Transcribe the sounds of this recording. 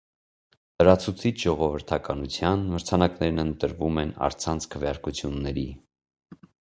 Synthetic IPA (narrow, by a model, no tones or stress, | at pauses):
ləɾɑt͡sʰut͡sʰit͡ʃʰʒɔʁɔvəɾt̪ʰɑkɑnut͡sʰjɑnməɾt͡sʰɑnɑknɛɾnənt̪əɾvumɛnɑ̰ɾt͡sʰɑnt͡sʰkʰəvjɑɾkut͡sʰjunːɛɾi